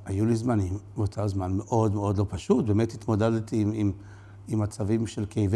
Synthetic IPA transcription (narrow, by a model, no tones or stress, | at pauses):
ajulizmanimbeotʰozmanmeʔo̞d̪meo̞d̪lo̞paʃut̚bemet̪hit̪mo̞dedt̪iim | imat͡savimʃelkejv